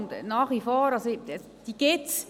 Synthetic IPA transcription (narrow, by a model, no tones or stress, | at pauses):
nd̪naːχʋifoːɾɑs | d̥iɡ̥ɪtt͡s